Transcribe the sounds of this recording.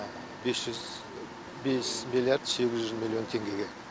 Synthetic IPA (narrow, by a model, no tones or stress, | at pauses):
besʒ̥ʏz | be̞smʲilʲjard̪se̞ɡʲɪzʒʏzmʲilʲːio̞nt̪ʰe̞ŋɡʲe̞ɡʲe̞